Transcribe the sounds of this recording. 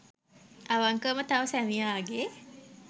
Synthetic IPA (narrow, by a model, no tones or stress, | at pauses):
aʋaŋkəmət̪aʋəsænijaːɡe